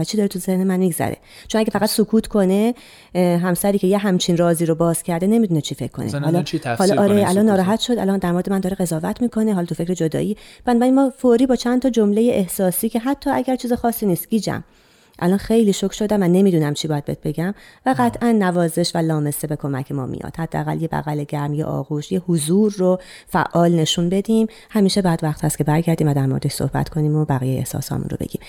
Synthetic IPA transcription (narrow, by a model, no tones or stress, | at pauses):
væt͡ʃʰid̪ɒːɾet̪ʰuzehnemænmiɡzæ̰ɾḛt͡ʃʰo̞næɡʲefæɣæt̪sokʰuːt̪ʰkʰo̞ne̞ | ɦæmsæɾiːcʰe̞jeɦæmt͡ʃʰinrɒːziːɾobɒːz̥cʰæɾd̪ene̞mid̪uːnet͡ʃʰife̞̰kʰːo̞̰nḛhɒːlɒhɒːlːɾeʔælɒnːɒːɾɒːɦæt̪ʃo̞d̪æ̰lɒnd̪æɾmo̞ɾed̪emænd̪ɒːɾeɣe̞zɒːvæt̪ʰmiːkʰo̞neɦɒlːt̪ufe̞cʰɾed͡ʒod̪ɒ̰ːʔiːb̥ænɒːbæɾinmɒːfoɾiːbɒːt͡ʃʰænt̪ʰɒːd͡ʒomle̞jeʔehsɒːsiːcʰe̞ɦæt̪ʰːɒːʔæɟæɾt͡ʃʰiːzexɒːsːiːniːst̪̚ɟ̥iːd͡ʒæ̰m | ʔæ̰lɒːnxe̞jliːʃocʰʃo̞d̪æmvæne̞miːd̪uːnæmt͡ʃʰibɒːjæd̪be̞̰t̪̚be̞ɟæmvæɣæt̪ʰʔænːævɒːze̞ʃvælɒːme̞sebe̞kʰo̞mæcʰe̞mɒ̰ːmḭjɒ̰ːd̪̥hæd̪̥ːeæɣæ̰ljebæ̰ɣæleɟæɾmjḛʔɒ̰ːɣuʃjehuzuːɾːo | fæ̰ʔːɒːlne̞ʃunbe̞d̪iːm | hæmiːʃe̞bæd̪væχt̪hæst̪̚cʰe̞bæɾɟæɾd̪iːmvæd̪æɾmoɾed̪eʃso̰hbæ̰t̪kʰo̞niːmobæɣijejeehsɒ̰ːshɒ̰ːmṵnɾo̞beɟ̥ḭːm